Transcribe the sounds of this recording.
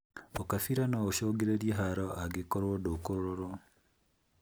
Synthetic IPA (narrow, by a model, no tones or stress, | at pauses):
okafiɾanɔoʃoɡeɾeɾieɦaɾɔaɡekoɾwodokoɾoɾoɾɔ